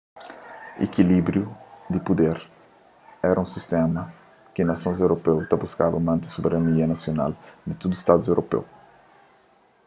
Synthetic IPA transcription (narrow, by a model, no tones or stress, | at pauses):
ḛkilibɾjud̪ɪpud̪eɾ | ɛɾɐũsist̪ẽmɐ | kɪnɐsõzewɾopewt̪abuskavɐmɐ̃nt̪ɪ̥soubeɾɐniɐnasjona̰ld̪ɪt̪ud̪uist̪ad̪uzewɾopḛw